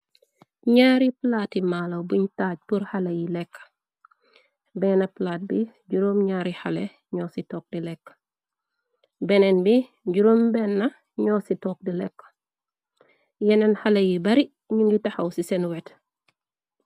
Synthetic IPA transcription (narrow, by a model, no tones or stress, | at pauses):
ɲaːɾiplaːtimaːlɐwbuɲtaːc̚puɾhalɐjilɛkː | bɛːnɐplaːt̚bi | ɟuɾoːmɲaːɾihalɛ | ɲɔːsitɔːk̚dilɛkː | bɛnɛnbi | ɟuɾombɛːnːɐ | ɲɔːsitɔːk̚dilɛkː | jɛnɛnhalɐjibɐɾi | ɲuŋɡitɐxɐwsisɛnwɛt